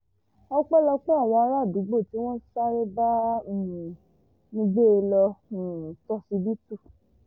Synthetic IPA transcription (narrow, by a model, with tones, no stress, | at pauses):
ɔ˦k͡pɛ˦lɔ˧k͡pe˦a˦˨ja˨˧˦ɾa˦˨du˨˦ɡ͡bo˦˨ti˦w̃ɔ̃˦sa˦ɾe˦ba˦˨ | nĩ˧ɡ͡be˦e˧lɔ̃˧˨ | tɔ˧˦si˧bi˦tu˦˨